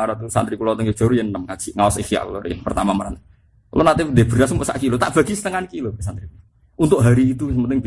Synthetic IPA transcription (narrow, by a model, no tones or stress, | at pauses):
aɾɔt̪usant̪ɾikulɔt̪əŋɡe̥d͡ʒ̥ɔɾujənənəmkḁʒ̥iʔŋawɔsikia̰ʔkṵlɔɾḭnpərt̪amamaɾan | lɔnat̪ɪdeb̥əɾasumʊʔsa̰ʔkilot̪aʔb̥a̤ɡisə̥t̪əŋanikilobesant̪ɾikul | unt̪ʊʔɦaɾiːt̪usəmənt̪ɪŋb